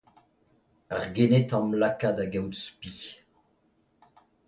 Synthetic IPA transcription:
aʁɡenet̪ɑ̃mlakadaɡɛwtspi

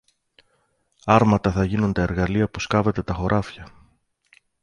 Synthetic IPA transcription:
ɐɾmɐt̪ɐθɐʝinund̪ɐe̞ɾɣɐliɐpuskɐve̞t̪e̞t̪ɐxo̞ɾʔɐfçɐ

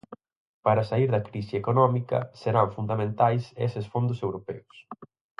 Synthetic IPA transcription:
paɾɐsaiɾðɐkɾisiekonɔmikɐ̰seɾaɱfund̪amẽnt̪ajsesɪsfond̪ʊsewɾopɛʊs

